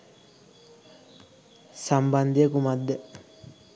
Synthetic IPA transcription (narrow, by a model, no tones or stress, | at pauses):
samband̪ijəkumad̪ːe